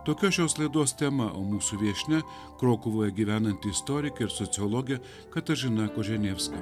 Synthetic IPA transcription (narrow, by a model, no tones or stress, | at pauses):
t̪oːkʲoːʃʲoːslˠɐɪd̪oːst̪ʲɛmɐʔo̰ːmuːsuʋʲiɛʃʲnʲɛ | kɾoːkʊʋoːjɛɡʲiːʋʲæːnɐnʲt̪ʲɪɪst̪ɔːɾʲɪkʲɐɪɾsɔt̪sʲɪɔlˠɔːɡʲɛ | kɐt̪ɐʒʲɪnɐkoːʒʲɛnʲeːfskɐ